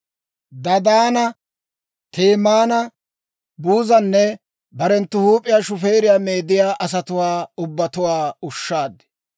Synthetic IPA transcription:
d̪ɐd̪aːnɐ | t̪ʰeːmaːnɐ | buːzɐnːɛ | bɐɾɛnt̪ːʊhuːpʼːɪjaːʃʊfe̞ːɾɪjaːmeːd̪ɪjaːʔɐsɐt̪ʊwaːʊbːɐt̪ʊwaːʊʃːaːd̪ɛ̥

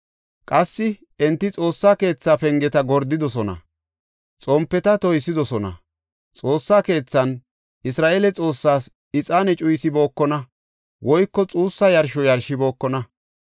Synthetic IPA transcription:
kʼɐsːɪ | ɛnt̪ːɪt͡sʼo̞ːsːaːke̞ːt͡sːaːpɛŋɡɛt̪ɐɡɔɾd̪ɪd̪ɔsɔnɐ̰ | t͡sʼɔmpːɛt̪ɐt̪ɔjsːɪd̪ɔsɔnɐ̰ | t͡sʼo̞ːsːaːke̞ːt͡sːɐn | ɪsɾaːʔeːlɛt͡sʼo̞ːsːaːs | ɪt͡sʼaːnɛt͡ʃʼʊjsɪbo̞ːkːɔnɐ | wɔjkːɔt͡sʼuːsːɐjɐɾʃɔjɐɾʃɪbo̞ːkːɔnɐ

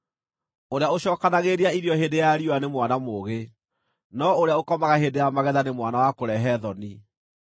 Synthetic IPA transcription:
oɾeaoɕɔːkanaɣeɾiaiɾiɔheːndejaɾiwanemwanamoɣe | nɔoɾeaokɔmaɣaɦeːndejamaɣɛðanemwanawakoɾɛɦɛðɔni

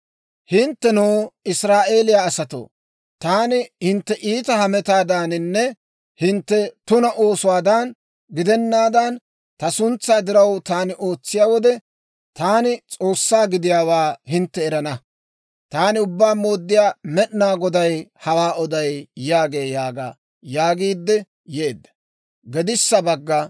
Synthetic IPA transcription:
hɪnt̪ːɛnoːɪsɾaːʔe̞ːlɪjaːsɐt̪o̰ː | t̪aːnɪhɪnt̪ːɛʔiːt̪ɐhɐmɛt̪aːd̪aːnɪnːɛ | hɪnt̪ːɛt̪ʊnɐʔo̞ːsʊwaːd̪ɐn | ɡɪd̪ɛnːaːd̪ɐn | t̪ɐsʊnt͡sːaːd̪ɪɾɐwt̪aːnɪʔo̞ːt͡sːɪjaːwɔd̪ɛ | t̪aːnɪt͡sʼo̞ːsːaːɡɪd̪ɪjaːwaːhɪnt̪ːɛːɾɐnɐ | t̪aːnɪʊbːaːmo̞ːd̪ːɪjaːmɛʔnaːɡɔd̪ɐjhɐwaːɔd̪ɐjjaːɡe̞ːjaːɡa̰ː | jaːɡiːd̪ːɛ | jeːd̪ːɐ̥ | ɡɛd̪ɪsːɐbɐɡːɐ

